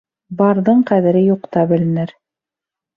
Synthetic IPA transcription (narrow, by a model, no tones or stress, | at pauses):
bɑɾðɤɴqæðɘ̆ɾɘjuqt̪ɑbɘ̆lɘ̆nɘɾ